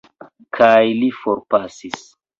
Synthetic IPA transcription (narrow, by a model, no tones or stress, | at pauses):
kʰajlifoɾpasis